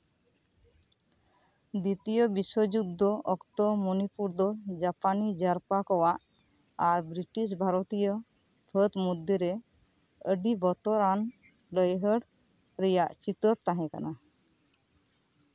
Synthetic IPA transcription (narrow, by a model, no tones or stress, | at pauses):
d̪it̪ijobisod͡ʒud̪ːɔʔɔkt̪ɔmɔnipuɾd̪ɔd͡ʒapanid͡ʒaɾpakɔwaʔ | aɾbɾiʈis̬bʱaɾot̪ijo | pʰət̪mud̪ʱjɔɾɛ | əɖibɔt̪ɔɾan | ləjɦəɖ | ɾɛjaʔt͡ʃit̪ɔɾt̪aɦɛ̃ka̰na